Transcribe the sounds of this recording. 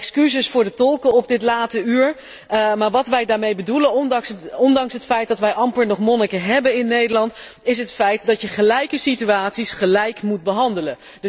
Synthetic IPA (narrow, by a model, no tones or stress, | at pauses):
ɛkskyzəsfʊːɹdətɔlˠkəɔp̚dɪtlaːtəyːɹ | maːɹʋɑtʋɛjdaːɹmejbədulənɔŋsɔndɑŋsɦətfɛjt̚dɑtʋɛjʔɑmpəɹnɔχmɔnəkəɦɛbənɪnːejdəlɑnt | ɪs̬ɦətfɛjtdɑtjəχəlɛjkəsityaːtsisχəlɛjkmut̚bəɦɑndələn | d